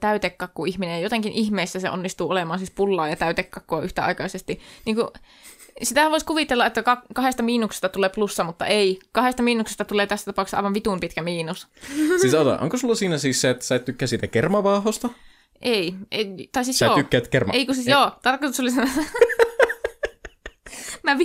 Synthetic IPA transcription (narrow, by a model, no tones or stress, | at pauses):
t̪æyt̪ekːɑkːuʔihminejɑjot̪eˑŋkinʔihmeisːæsḛʔo̰nːist̪uːolemɑːnsispulːɑːjɑt̪æyt̪ekːɑkːoɑʔyht̪æɑ̰ikɑisest̪iniːŋku | sit̪ææʋoiskuʋiˑt̪elːɑet̪ːækɑkkɑhest̪ɑmiːnukse̥st̪ɑt̪uleːplusːɑmut̪ːɑ̰ʔeikɑhest̪ɑmiːnukse̥st̪ɑt̪uleːt̪æsːæt̪ɑpɑˑuksɑ̰ʋɑʋʋit̪uˑmpit̪kæmiːnussisɑot̪ɑ̰ʔo̰ŋkosulːɑsiːnæsiːsseet̪ːæ̥sɑˑit̪t̪ykːæːsiːt̪ækermɑʋɑˑhost̪ɑ | ʔeiet̪ɑˑisiːsjoːtykːæːt̪kermɑ̰eikusisjoːt̪ɑrkot̪usolisn | mæʋ